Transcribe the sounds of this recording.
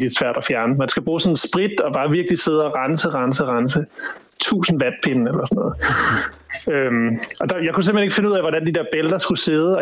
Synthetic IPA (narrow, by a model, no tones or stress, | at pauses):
l̥i̥sʋæɐ̰d̥ɒfjæɐnəmænsɡ̥æb̥ʁuːsɔ̽nsb̥ʁid̥ɒ̽b̥ɑ̈ːʋiɐɡ̥lise̝ð̞ˠɒʁɑnsəʁɑ̈nsəʁɑnsə | t͡sʰṵːsn̩ʋæd̥̚pʰenn̩elɐsɒ̽nɔ̽ːð̩ˠ | ømɒ̽d̥ɑ̈jäɪkʰuse̝məheneɡ̥fe̝nəuð̰ˠæʋɒɾænd̥id̥eɐb̥eld̥ɐsɡ̥use̝ð̞ˠəɒ̽